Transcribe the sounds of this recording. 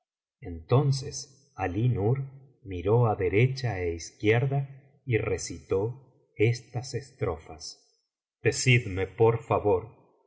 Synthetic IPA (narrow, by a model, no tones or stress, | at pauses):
ent̪o̞nses | alinuɾ | miɾo̞aðeɾet͡ʃaeiskjeɾða | iresit̪o̞ | est̪asest̪ɾofas | d̪̥e̞siðmepoɾfaβo̞ɾ